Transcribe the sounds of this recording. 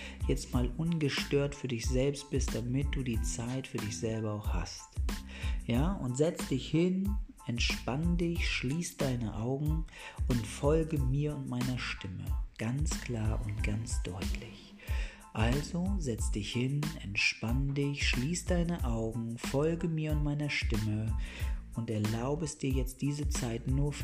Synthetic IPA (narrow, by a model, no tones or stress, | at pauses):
jɛt͡stmaːlʔʊnɡəʃtøːɐtfyːɐdɪçz̥ɛlpst̚b̥ɪst̚d̥amɪt̚d̥uːdiːt͡saɪtfyːɐdɪçz̥ɛlbɐaʊxha̰st | jaːʔʊntz̥ɛt͡sd̥ɪçhɪnʔɛntʃpandɪçʃliːsd̥aɪnə̰ʔaʊɡŋ̩ʔʊntfɔlɡəmiːɐʊntmaɪnɐʃtɪmə̰ɡ̥ant͡skl̥aːɐʔʊntɡ̥ant͡sd̥ɔʏtʰlɪç | ʔalzozɛt͡sd̥ɪçhɪnɛ̰ntʃpandɪçʃliːsd̥aɪnəʔaʊɡŋ̩fɔlɡəmiːɐʊntmaɪnɐʃtɪmə | ʔʊntɛɐlaʊbəɛsd̥iːɐjɛt͡st̚d̥iːzət͡saɪtnuːɐf